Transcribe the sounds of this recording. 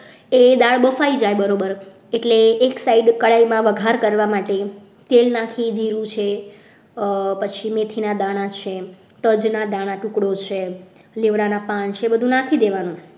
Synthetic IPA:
ed̪aɭbəfaid͡ʒajbəɾobəɾ | eʈleːksaiɖkəɭaimãʋəɡʱaɾkəɾʋamaʈe | t̪elnakʰid͡ʒiɾũt͡ʃʰe | pət͡ʃʰimet̪ʰinad̪aɽ̃at͡ʃʰe | t̪əd͡ʒnad̪aɽ̃aʈukɽot͡ʃʰe | leʋɽanapant͡ʃʰeːbəd̪ʱũnakʰid̪eʋanũ

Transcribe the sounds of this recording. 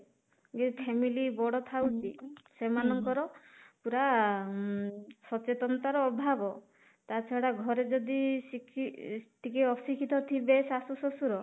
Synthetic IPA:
ɡepʰemilibɔɽɔt̪ʰawt͡ʃʰisemanɔŋkɔɾɔpuɾa | sɔt͡ʃet̪ɔnt̪aɾɔːbʱabɔ | t̪at͡ʃʰɔɽaɡʱɔɾed͡ʒɔd̪isikʰiʈikeɔsikʰit̪ɔt̪ʰibesasusɔsuɾɔ

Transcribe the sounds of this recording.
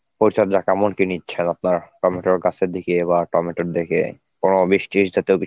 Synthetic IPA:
poɾit͡ɕʰaɾd͡ʑakamonkinitːɕʰenap̚naɾʈɔmeʈoɾɡat͡ɕʰeɾd̪ikeβaʈɔmeʈoɾd̪ekḛ | konobiʃʈiʃd͡ʑat̪ewki

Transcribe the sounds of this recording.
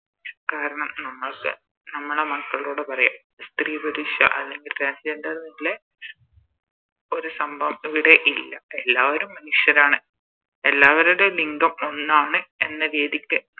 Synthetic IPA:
kaːɾɐɳɐmnɐmːɐɭkːɨ̰ | nɐmːɐɭemɐkːɐɭloːɽepɐrɐja̰ːm | st̪riːbʱɐɾuʂjɐ̰ʔɐlːe̞ŋɡilʈɾaːnsd͡ʒendɐrnilːe | o̞ɾusɐmbʱɐʋɐmiʋiɽe̞ʔilːɐelːaːʋoɾumːɐnuʂjɐɾaːɳɨ | e̞lːaːʋɐɾoɾeliŋɡɐmo̞nːaːɳɨe̞nːɐʋeːðikʲːɨ

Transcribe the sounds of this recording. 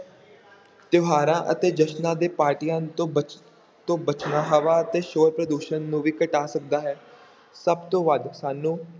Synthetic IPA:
t̪jʊɦaːɾãːʔə̰t̪eːd͡ʒəʃnãːd̪eːpaːɾʈiːjãːt̪õːə | t̪õːbət͡ʃnaːɦaʋaːət̪eːʃoːɾpɾəd̪uːʃənːũːʋiːkəʈaːsək̚d̪aːɦɛː | səbt̪õːʋəd̪saːnũː

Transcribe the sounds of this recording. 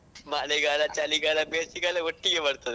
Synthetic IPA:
maleɡalat͡ɕaliːɡalabesiɡalaɡoʈːiɡeʋəɽt̪ət̪

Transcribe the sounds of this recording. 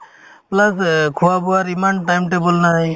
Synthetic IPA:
plɐskʰuabuaɾimaɳʈajmʈebolnae

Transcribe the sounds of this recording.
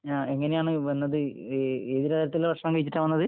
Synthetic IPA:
aːe̞ŋːɐne̞jaːɳɨʋɐnːɐðɨeːðiɾɐt̪ɐiɾɐt̪ːileʋɐʂɐɳɐŋkɐjit͡ɕːiʈːaːnʋɐnːɐðɨ

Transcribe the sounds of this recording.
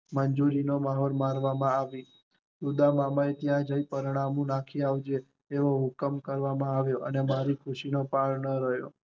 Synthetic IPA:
mənd͡ʒuɾinomaɦɔlmaɾʋamãaʋi | d̪ud̪amamaet̪jãd͡ʒəipəɾiɽ̃amũnakʰiaʋd͡ʒeː | ʋoɦʊkəmkəɾʋamãaʋjoʔənemaɾikʰʊʃinopaɭnəɾəɦjo̰

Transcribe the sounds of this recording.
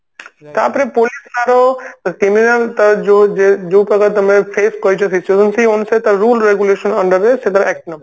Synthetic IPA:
t̪a̰pɾẽpolisnaːɾokiminənt̪ɐd͡ʒod͡ʒed͡ʒuːpɐɡət̪ɐmẽfʰeːskoit͡ʃʰosɪt͡ʃjuːzənsiʊnset̪ɐɾuːlɾeɡuleːʃənɐ̃ɳɖəɾd̪eset̪ɐɾɛːk̚ʈnɐ

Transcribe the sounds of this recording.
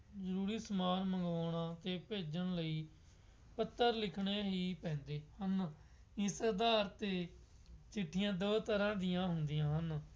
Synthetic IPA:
zəɾuːɾiːsəmaːɾməŋɡʋaːɽ̃aːt̪eːpeːd͡ʒəɳləiː | pət̪ːəɾlɪkʰɽeːɦiːpɛ̃ːnd̪eːhən | ɪsəɾd̪aːɾt̪eː | t͡ʃɪʈʰːɪjãːd̪oːt̪əɾãːd̪ɪjãːɦʊnd̪ɪjãːɦən

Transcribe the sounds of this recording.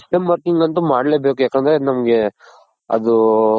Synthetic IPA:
sʈemʋɐɾkiŋɡɐnt̪umaːɽleːbe̞ːkujaːkeːnd̪ɐɾenɐmɐɡe̞ | ɐ̰d̪u

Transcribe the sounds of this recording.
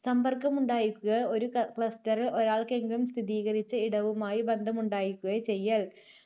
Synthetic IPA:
sɐmbɐrkɐmuɳɖaːjikʲːuɣɐo̞ɾukɭɐstɐrio̞ɾaːɭke̞ŋɡilumst̪ʰiðiːɣɐrit͡ɕːɐiɽɐʋumaːjibend̪ʱɐmuɳɖaːjikʲːuɣɐt͡ɕe̞jːɐɭ

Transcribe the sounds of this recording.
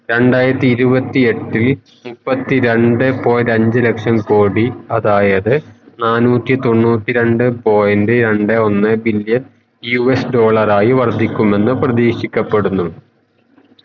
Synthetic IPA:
ɾe̞ɳɖaːjiɾɐt̪ːiiɾubɐt̪ːie̞ʈːil | mupːɐt̪ːiɾe̞ɳɖɨpo̞ːjɐɾɐɲd͡ʑɨlekʂɐnkoːɽiɐðaːjɐðɨnaːnuːtːit̪o̞ɳːuːtːiɾe̞ɳɖɨpo̞ːjɐndeɾe̞ɳɖɨo̞nːɨbiljɐn | juesɖo̞ːɭɐraːjiʋɐrd̪ʱikʲːume̞nːɨprɐðiːʂikʲːɐpːe̞ɽunːu

